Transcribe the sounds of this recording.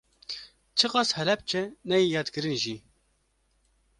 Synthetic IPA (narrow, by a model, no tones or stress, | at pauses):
t͡ʃʰɨqɑːshɛlɛp̚t͡ʃʰɛnɛjijɑːt̪kɨɾɨnʒi